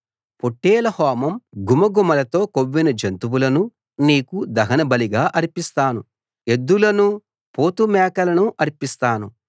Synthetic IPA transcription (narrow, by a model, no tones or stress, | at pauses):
poʈːɛːlɐhɔːmɐmɡumɐɡumɐlɐt̪o̞ːkoʋːinɐd͡ʒɐnt̪uwulɐnu | niːkud̪ɐɦɐnɐbɐliɡaːʔɐɾpist̪aːnu | e̞d̪ːulɐnu | poːt̪umɛːkɐlɐnuʔɐɾpist̪aːnu